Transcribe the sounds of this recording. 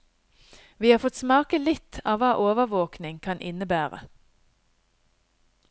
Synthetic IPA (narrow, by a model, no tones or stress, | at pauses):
ʋiːhɑːʁfɔt̪smɑːkəlɪt̪ʰɑːʋɑːʔoːʋəʋoːknɪŋkʰɑnʔɪnəbæːʁə̰